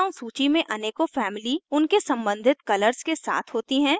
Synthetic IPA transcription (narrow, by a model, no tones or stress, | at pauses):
õsuːt͡ʃimẽʔɐneːkofɛːmɪliʊnkesɐ̃mbə̃nd̪ʱɪt̪kɐləɾskesa̰ːt̪ʰɦoːt̪iɦɛ̃ː